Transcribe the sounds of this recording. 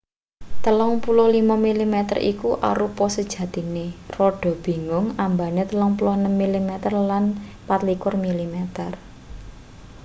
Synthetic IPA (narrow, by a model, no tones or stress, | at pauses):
t̪əlɔŋpulʊhlimamilimɛt̪ə̰rʔḭkuʔa̰ɾupɔsəd̥ʒ̥ä̤t̪i̤nerɔɖ̥ɔ̤b̥i̤ŋʊŋambanet̪əlɔŋpulʊhnəmːilimɛt̪ərlanpat̪likʊrmilimɛt̪ər